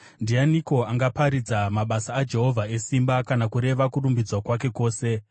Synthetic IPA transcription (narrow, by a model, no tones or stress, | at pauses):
ndianiko̞aŋɡapaɾid͡zamaɓasaːd͡ʒe̞ɦo̞vʱae̞simbakanakuɾe̞ʋakuɾumbid͡zwakwak̬e̞ko̞ːse̞